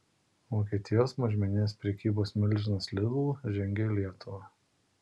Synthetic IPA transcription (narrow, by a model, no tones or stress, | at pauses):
ʋoːkʲiɛt̪ʲɪjoːsmɐʒʲmʲɛnʲɪnʲeːspʲɾʲɛkʲiːboːsmʲɪlʲˑʒʲɪnɐslʲɪd̪uːʒʲɛŋʲɡʲelʲiɛt̪ʊʋɐ